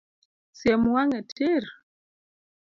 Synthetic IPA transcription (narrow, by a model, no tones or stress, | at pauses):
sjɛmwaŋɛtʰeɾ